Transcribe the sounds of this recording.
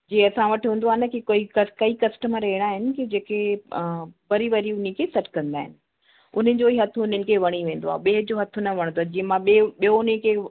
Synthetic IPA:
d͡ʑĩːɐsãʋɐʈɦũːn̆d̪oaːɦɪnɐkikoikɐkɐikɐsʈəməɾɐɦiɽ̃aːɦɪnɪ̆kid͡ʑeːkʰe | pɐɾiʋɐɾiʊn̤ikʰeːsɐʈʰkɐ̃nd̪aːɦɪ̰nɪ̆ | ʊn̤ənɪ̆d͡ʑoiɦɐt̪ʰʊʊn̤ənɪ̆kʰeʋɐɽ̃iʋẽːnd̪oa̰ːɦeɓeːd͡ʑoːɦɐt̪ʰʊnɐʋɐɽ̃nd̪oaːd͡ʑĩːə̃mãɓeɓijoʊnəkʰe

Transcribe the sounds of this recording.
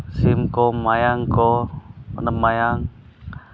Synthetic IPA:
simkomajaŋkɔ | nəpmajaŋ

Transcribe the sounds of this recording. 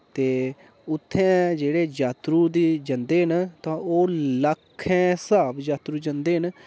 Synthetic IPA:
t̪eː | ʊt̪ʰːɛ̃ːd͡ʒeːɽeːd͡ʒaːt̪ɾuːd̪iːd͡ʒə̃nd̪eːɦənt̪ãːoːləkʰːɛ̃ːsaːbd͡ʒaːt̪ɾuːd͡ʒə̃nd̪eːɦən

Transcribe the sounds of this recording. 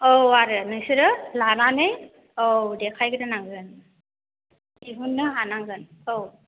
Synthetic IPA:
owaɾɯnɯjsɯɾɯlananɯj | owdɛkʰajɡɯdɯnaŋzɯn | iɦunːɯɦanaŋzɯnow

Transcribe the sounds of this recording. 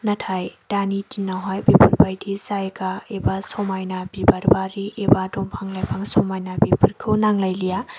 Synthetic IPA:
nɐtʰajd̥anitinawɦajbipʰɯɾbajdisajkaebasɔmajnabibaɾbaɾiʔebadɔmpʰaŋlajpʰaŋsɔmajnabipʰɯɾkʰɯwnaŋlajlija

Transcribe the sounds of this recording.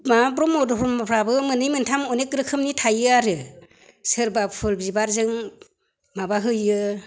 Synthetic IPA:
mab̬ɾɔmɔdɔɾmapʰɾabɯmɯnɯjmɯntʰamɔnek̚ɾɯkʰɯmnitʰajɯaɾɯ | sɯɾbapʰɯlbibaɾzɯŋ | mabaɦɯjɯ

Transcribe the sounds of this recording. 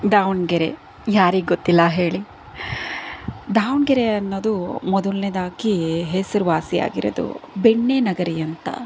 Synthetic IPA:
d̪aːwuɳɡeɾḛ | jaːɾiɡɡot̪ːilːɐɦe̞ːɭi | d̪aːwuɳɡeɾeɐnːoːd̪umɔd̪uɭned̪aːkiɦesɐɾuʋaːsija̰ːɡiɾo̰d̪ṵbeɳːenɐɡɐɾijɐnt̪ɐ̰

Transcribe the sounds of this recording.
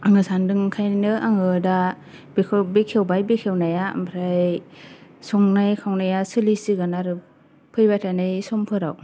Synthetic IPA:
aŋɯsandɯŋkʰajnɯʔaŋɯda | bekʰbekʰewbajbekʰewnajaa̰mpʰɾaj | sɔŋnajkʰawnajasɯlisiɡɯnaɾɯ | pʰɯjbatʰanɯjsɔmpʰɯɾa̰w

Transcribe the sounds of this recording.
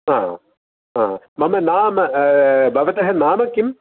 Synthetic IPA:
ãːɦ | ãːa | mɐmɐnaːmɐbɐʋɐt̪ɐɦɐnaːmɐkim

